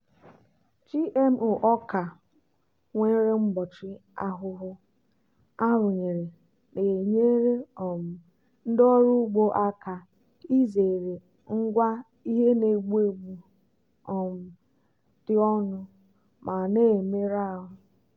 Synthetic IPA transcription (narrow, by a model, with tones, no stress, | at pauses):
t͡ʃi˦ʔe˦m˨ʊ˨ʔɔ˦ka˨ | ŋʷe˦ɾe˦ŋ͡m̩˦bɔ˨t͡ʃɪ˦a̰˦ɦʊ˦ɦʊ˦ | a˦ɾʊ˨ɲe˨ɾe˨ | ne˨ɲe˦ɾe˦ɔ˨m̩˨ | n̩˦dɔ˦ɾu˦ɡ͡bo˦ʔa˦ka˨ | i˦ze˨ɾe˨ | ŋ̩˦ɡʷa˦ | i˦ɦe˦ne˨ɡ͡bu˦e˦ɡ͡bu˨ | ɔ˨m̩˨ | d̥ɪ˦ɔ˦nʊ˦ | mʔa˨ne˦˨me˦ɾa˦˨ɦʊ˦